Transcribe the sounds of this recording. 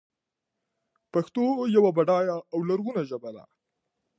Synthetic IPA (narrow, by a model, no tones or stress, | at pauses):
paxt̪ojawabaɖɑjaːwlaɾɣunaʒəbad̪a̰